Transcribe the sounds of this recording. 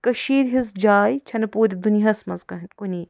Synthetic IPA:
kɐʃiːɾɦizd͡ʒaːjt͡ʃʰɐnɐpuːɾʲid̪uniɦɐsmɐzkɐɦnkuniː

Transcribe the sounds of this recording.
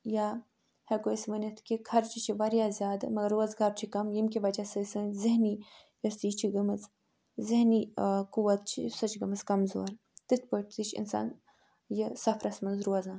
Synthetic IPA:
jaː | hekosʲmɐnɐt̪ʰkikʰɐɾt͡ʃʰit͡ʃʰiʋɐɾjaːzʲjaːd̪ɨmɐɡɐɾːuɐzɡɐɾt͡ʃʰikɐmjimkʲiʋɐt͡ʃasɨsɨnziɦni | jɐst̪ijt͡ʃʰiɡɐmɨz | ziɦnikuʋɐt̪̚t͡ʃʰisɐt͡ʃʰɡɐmɨzkɐmzo̰ːɾ | t̪ɨt̪̚ʰpəʈt̪ɨt͡ʃʰḭnsa̰ːn | jəsɐfʰɾʔɐsmɐnzɾuɐzãːn

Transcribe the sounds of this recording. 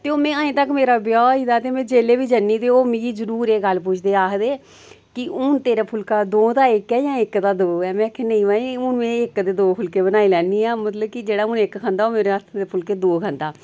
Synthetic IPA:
t̪eːoːmɛ̃ːãːẽːt̪əkmeːɾaːbjɔːiːd̪aːt̪eːmɛ̃ːd͡ʒeːleːbiːd͡ʒənːiːt̪eːoːmĩɡiːzəɾuːɾeːɡəlp̬ʊt͡ʃʰd̪eːaːkd̪eː | kɪʔʊnt̪eːɾaːpʰʊlkaːd̪oːd̪aːɪkɛːjãːɪkd̪aːd̪oːɛːmɛ̃ːkʰːenəĩːʋaːĩːʊnmẽːɪkd̪eːd̪oːpʰʊlkeːbənaːilɛːnːiːaːmət̪ləbkɪd͡ʒeːɽaːʊnɪkʰãːnd̪aːoːmeːɾeət̪ʰd̪eːpʰʊlkeːd̪oːkʰə̃ːnd̪aː

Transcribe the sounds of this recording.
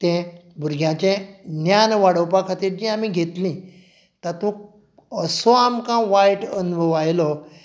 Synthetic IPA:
t̪ɛ̃bʱuɾɡʱjãt͡ɕẽnjanʋaɽəwpakʰat̪iːɾd͡ʑĩamĩɡʱet̪lĩ | t̪ət̪ũk | əsɔamkãʋajʈənubʱəʋajlɔ

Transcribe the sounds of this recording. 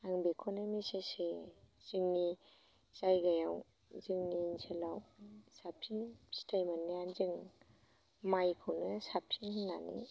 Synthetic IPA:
aŋbiekʰonomisesez̥iŋni | sajɡajaw | ziŋninsʰelawsap̚siŋstajmanːijanziŋ | majkʰɯwnɯsap̚siŋna̰nḭ

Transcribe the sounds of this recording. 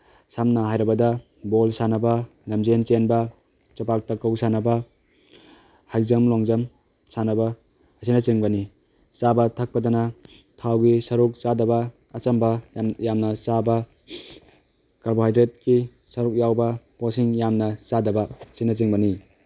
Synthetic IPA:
samnaɦajɾɐbɐdɐ | bolsanɐbɐ | lɐmzent͡ʃenbɐ | t͡ʃɐpak̚tɐkːɐwsanɐbɐ | hajzɐmloŋzɐm | sanɐbɐ | ɐsinɐt͡ʃiŋbɐni | t͡ʃabɐtʰak̚pɐdana | tʰawɡisɐɾuk̚t͡ʃadɐbɐː | t͡ʃɐmbɐjamnɐsabɐ | kaɾboɦajdɾet̚ki | sɐɾuk̚jawbɐposiŋjamnɐsadɐbɐsinɐt͡ʃiŋbɐni

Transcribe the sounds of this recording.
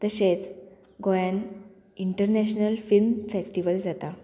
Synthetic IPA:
t̪əɕet͡s | ɡojãn | iɳʈəɾnɛɕnəlfilmfesʈiʋəld͡zat̪a

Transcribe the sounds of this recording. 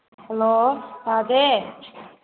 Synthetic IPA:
hɛlot̪aːd̪e

